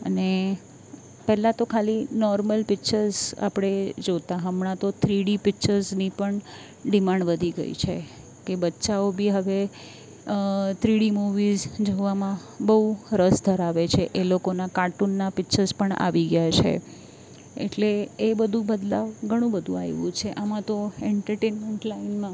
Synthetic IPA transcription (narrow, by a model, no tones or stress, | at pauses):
ə̰ne | pɛɦlat̪okʰalinɔɾməlpɪkt͡ʃəɾza̰pɽ̃ed͡ʒot̪aɦəmɳãt̪ot̪ʰɾiɽipɪkt͡ʃəɾznipəɳ | ɖimaɳɖʋəd̪ʱiɡə̰ḭt͡ʃʰe | kebətːʃaobʱiɦəʋe | t̪ʰɾiɽimuʋizd͡ʒoʋamã | bəɦuɾəsd̪ʱəɾaʋet͡ʃʰeʔelokonakaʈunːapɪkt͡ʃəɾzpəɳa̰ʋiɡjat͡ʃʰḛ | ḛʈleːbəd̪ʱũbəd̪laʋɡʱəɽ̃ũbəd̪ʱũa̰eʋṵ̃t͡ʃʰeʔamãt̪oɛɳʈəɾʈenmeɳʈlainmã